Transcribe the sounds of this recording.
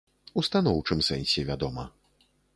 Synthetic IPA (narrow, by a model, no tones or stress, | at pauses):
ust̪anɔwt͡ʂɨmsɛnʲsʲɛvʲad̪ɔmɐ